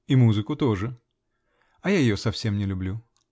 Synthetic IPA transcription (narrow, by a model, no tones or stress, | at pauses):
imuzɨkʊt̪o̞ʐɨ | ɐjajɪjosɐfsʲe̞mnʲɪlʲʊblʲu